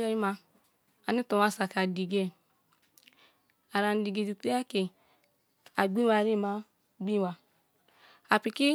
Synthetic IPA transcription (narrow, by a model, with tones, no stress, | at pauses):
ɛ˦i˦ma˧ | a˨ni˦to˨wa˦˨sa˨ka˨di˨ɡe˦˨ | a˨ɾa˨n˨di˨ɡe˨di˨te˦a˦ke˨ | a˨ɡ͡bi˦wa˧˨ɾi˦˨ma˦ | ɡ͡bi˦wa˧ | a˨pi˧ki˦